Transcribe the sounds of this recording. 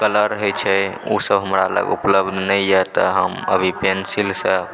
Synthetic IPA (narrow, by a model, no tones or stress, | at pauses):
kələɾɦojt͡ʃʰɛusəbɦəmɾa̰lə̰ɡṵpləbd̪ʱnəjjɛt̪əɦə̰mə̰bʱipensilsə